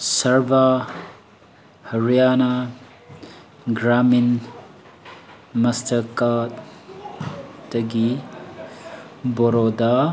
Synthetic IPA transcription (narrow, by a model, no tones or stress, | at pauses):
sɐɾba | hɐɾijana | ɡɾamin | mɐstʰɐkat | tɐɡi | bɔɾod̪a